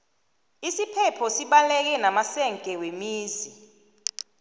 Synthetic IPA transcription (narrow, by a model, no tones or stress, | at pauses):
isipʰɛpʰɔsiɓalɛk̬ɛnamasɛŋkʼɛwemiːzi